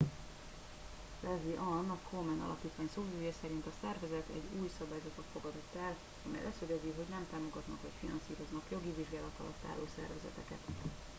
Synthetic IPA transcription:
lɛziʔɒnɒkʰomɛnɒ̰lʔɒpiːt̪ʋaːɲsoːzyjɒsɛɾint̪ɒsɛrvɛzɛt̪ɛ̰ɟːuːjsɒbaːjzɒt̪ot̪fo̞ɡɒd̪o̞t̪ːɛl | ɒmɛ̰jlʔɛsøɡɛziɦo̞ɟnɛmt̪aːmo̞ɡɒt̪nɒkʋɒcfinɒnsiːɾo̞znɒkjo̞ɡiviʒɡaːlɒt̪ɒ̰lɒt̪ːa̰ːlːoːsɛ̰rvɛzɛ̰t̪ɛkɛ̰t̪

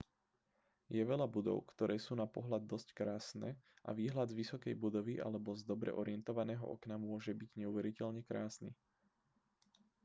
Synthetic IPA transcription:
jɛʋɛʎabud̪ɔ̰ʊkt̪ɔɾɛːsuːnapɔɦlad̪ːɔsckɾaːsnɛʔa̰ʋiːɦlad̪zʋisɔkɛjbud̪ɔʋiʔa̰lɛbɔzd̪ɔbɾɛ̰ʔɔɾɪɛnt̪ɔʋanɛːɦɔ̰ʔɔ̰knamʊɔʒɛbiɟɲɛuʋɛɾicɛʎɲɛkɾaːsni

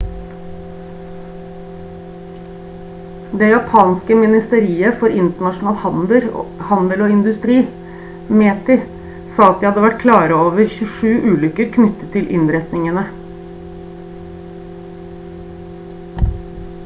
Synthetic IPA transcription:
d̪eːjɑpʰɑːnskəmɪnɪst̪əɾiːəfɔɾɪnt̪əɳɑʂʊnɑːl | hɑnd̪əloːɪnd̪ʉst̪ɾiː | meːt̪ɪ | sɑːɑt̪̚iːhɑd̪əʋæʈ̚kʰlɑːɾəoːʋəɾçʉʂʉːʔʉːlʏkəɾkʰnʏt̪ːət̪ʰːɪlʔɪ̰nɾɛt̪nɪŋənə

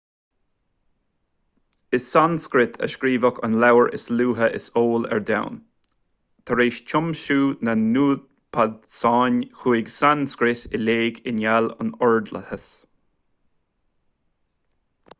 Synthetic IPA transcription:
ɪsanskɾɪt̪ʰə̰ʃkɾiːvəkʰa̰nlawəɹʔɪ̰sluːɦəʔɪ̰soːlɛ̰ɹd̪a̰wn | t̪ʰəɾeːʃt͡ʃʰʊmʃuːnənuːd | pʰad̪saːnʲxuɪɡsanskɾɪtɪleːɡɪnjalə̰nɔɹd̪lə̰həs

